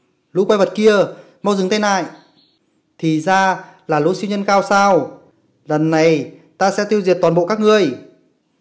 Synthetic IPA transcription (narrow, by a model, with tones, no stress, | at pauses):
lṵ˧˥kwa˧jvə˨˩t̚ki˧ə | ma˧wzɨ˨˩ŋt̪a˧jna̰ː˧˨j | t̪ʰi˨˩zaː˧laː˨˩lṵ˧˦˥si˧wɲə˧nkaː˧wsaː˧w | lə˨˩nːa˨˩jt̪aː˧sɛ̰˧˥t̪i˧əwzi˨˩ət̪waː˨˩nɓo̰˧˨kaː˦˥k̚ŋɨ˨˩əj